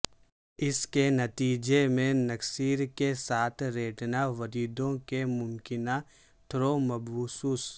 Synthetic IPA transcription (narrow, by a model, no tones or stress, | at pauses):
ɪskenɐt̪iːd͡ʒemẽnɐksiːɾkesaːt̪ʰɾeːʈnaʋɐɾiːd̪õkemʊmkɪna | t̪ʰɾomɐbuːsuːs